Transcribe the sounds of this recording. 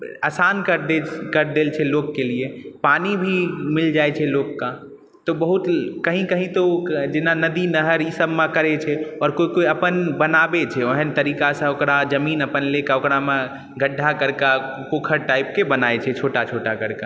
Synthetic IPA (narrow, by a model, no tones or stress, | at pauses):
əsankəɾd̪ekəɾd̪elt͡ʃʰɛlokːeliepanibʱimɪld͡ʒaet͡ʃʰɛlokkːa | t̪ɔbəɦut̪kəɦĩkəɦĩt̪od͡ʒɪnanəd̪inəɦəɾisəbmẽkəɾet͡ʃʰɛɔːɾkoikoiəpənbənabet͡ʃʰɛoɦənt̪əɾikasə̃okɾad͡ʒəmiːnəpənlekaokɾamẽ | ɡʱəɖʱːakəɾka | kokʰəɾʈaip̚kebənaet͡ʃʰɛt͡ʃʰoʈat͡ʃʰoʈakəɾka